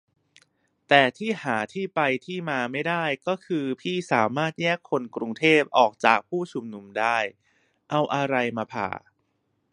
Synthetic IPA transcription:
t̪ɛː˨˩t̪ʰiː˥˩haː˩˦t̪ʰiː˥˩pa˧jt̪ʰiː˥˩maː˧ma˥˩jdaː˥˩jkɔː˥˩kʰɯː˧pʰiː˥˩saː˩˦maː˥˩t̪̚jɛː˥˩kʰːo˧nkɾu˧ŋt̪ʰeː˥˩p̚ʔɔː˨˩k̚t͡ɕaː˨˩k̚pʰuː˥˩t͡ɕʰu˨˧mnu˧mdaː˥˩j | ʔa˧wʔa˧ɾa˧jmaː˧pʰa̰ː˨˩

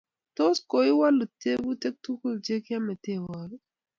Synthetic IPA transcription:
to˦sko˨i˦wa˦lu˨te˦bu˦te˦k̚tu˦ku˦˨ld͡ʒe˦kɪ˦a˦mɛ˨te˦˨wa˨l

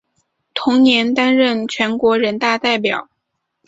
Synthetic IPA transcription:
t̪ʰʊ˧˥ŋnjɛ˧˥nt̪a˥nɻə˥˩nt͡ɕʰɥɛ˧˥nkwɔ˧˥ɻə˧˥nt̪a˥˧t̪a˥˩ɪp̬jɑ̰˨˩˦ʊ

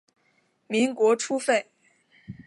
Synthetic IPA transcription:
mi˧˥ŋkwɔ˧˥ʈ͡ʂʰu˥fe˥˩ɪ

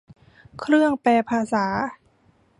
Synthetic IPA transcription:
kʰɾɯ˥˩əŋpɛː˧pʰaː˧saː˩˦

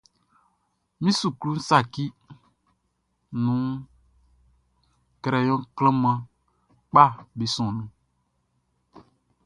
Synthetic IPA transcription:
mĩ˦su˨klu˦n̩˦sa˨ki˦ | nũ˦ | kɛ˨ɾɛ˨jɔ̃˦klə̃˦mã˦ | k͡pa˦˨be˨sɔ̃˨nũ˨

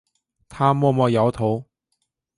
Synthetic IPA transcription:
t̪ʰaː˥mɔː˧mɔː˧jɐ˨˧wt̪ʰo˨˧˥w

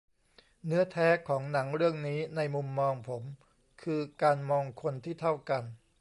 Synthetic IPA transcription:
nɯ˦˥ɐt̪ʰɛː˦˥kʰɔː˩˦ŋna˩˦ŋɾɯ˥˩əŋniː˦˥na˧jmu˧mːɔː˧ŋpʰo˩˦m | kʰɯː˧kaː˧nmɔː˧ŋkʰo˧nt̪ʰiː˥˩t̪ʰa˥˩wka˧n

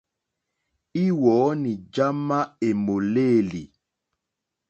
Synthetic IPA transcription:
i˦wɔː˨˦ni˨d͡ʒa˦ma˦e˨mo˨le˦˨li˨

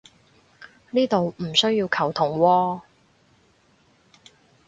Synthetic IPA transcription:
niː˥t̪o˨wm̩˨˩sɵ˥ɥji˧wkʰɐ˨˩wt̪ʰʊ˨˩ŋwɔː˧

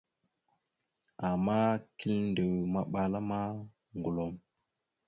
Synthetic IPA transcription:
a˨mːa˦ki˦lnde˨wma˦ɓa˨la˦ma˦ | ŋɡu˨lo˨˦m

